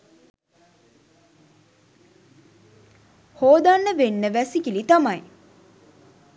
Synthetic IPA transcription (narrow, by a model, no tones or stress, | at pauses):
hoːd̪anːəʋenːəʋæsikilit̪amaj